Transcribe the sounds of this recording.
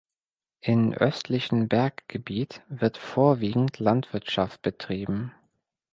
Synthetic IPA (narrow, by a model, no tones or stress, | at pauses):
ʔɪmʔœstʰlɪçn̩bɛɐkɡ̥əbiːtv̥ɪɐtfoːɐviːɡŋ̩tʰlantv̥ɪɐtʃaft̚b̥ətʁ̥iːbm̩